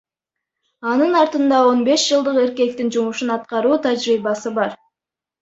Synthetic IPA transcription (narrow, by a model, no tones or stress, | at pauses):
ɑnɯnɑɾt̪ɯnd̪ɑo̞nbe̞ʃd͡ʒɯlˠd̪ɯqe̞ɾke̞k̚t̪ind͡ʒumuʃunɑt̪qɑɾuːt̪ʰad͡ʒɾiːβɑsɯbɑɾ